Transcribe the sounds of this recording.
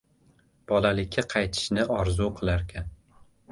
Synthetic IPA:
b̥ɒlalɪkʲʰːaqʰɑjt̪ʰɪ̥ʃnɪɒɾzuqʰɨlˠaɾkʲʰan

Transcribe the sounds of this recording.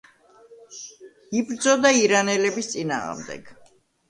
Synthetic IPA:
ibɾd̪zɔd̪aiɾanɛlɛbist̪sʼina̰ːʁmd̪ɛ̰ɡ̥

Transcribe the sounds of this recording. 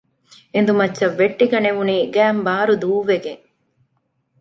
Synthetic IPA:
en̆d̪umɐtːʃːɐʋːeʈːiɡɐneʋuniːɡæːmbaːɾud̪uːʋeɡeŋ

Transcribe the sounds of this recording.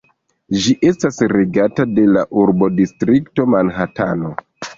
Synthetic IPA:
ʒiʔe̞stasɾe̞ɡatade̞laʔuɾbo̞distɾikto̞manɦatano̞

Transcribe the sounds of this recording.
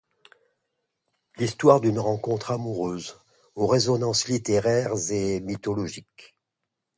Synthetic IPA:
list̪waʁd̪ynʁɑ̃kɔ̃t̪χamuʁøz | oʁezɔnɑ̃slit̪eʁɛʁzemit̪ɔlɔʒik

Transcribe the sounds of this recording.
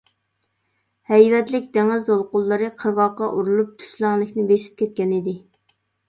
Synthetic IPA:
hɛjvɛt̪lɪk̚ʲd̪eŋɪzolˠqʊlˠːɨɾɨqʰəɾʁɑqɑʔuɾulˠup̚t̪ʰy̥slˠæŋlˠɪkʲnɪbeʃi̥p̚kʲʰɛt̪̚kʲɛnid̪ɪ

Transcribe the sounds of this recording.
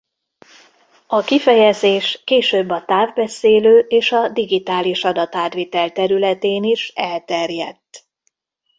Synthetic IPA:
ɒkifɛjɛzeːʃkeːʃøːbːɒt̪aːvbɛseːløːʔeːʃɒd̪iɡit̪aːliʃɒd̪ɒt̪aːt̪ʋeːt̪ɛlt̪ɛɾylɛt̪eːniʃɛlt̪ɛrjɛt̪ː

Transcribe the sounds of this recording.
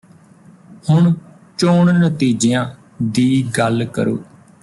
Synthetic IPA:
hʊɳ | t͡ʃoːɳnət̪iːd͡ʒejãː | d̪iːɡəlkə̰ɾo̰ː

